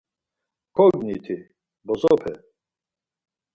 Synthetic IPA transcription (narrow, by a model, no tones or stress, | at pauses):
kʰɔɡnit̪ʰi | bɔzɔpʰɛ̰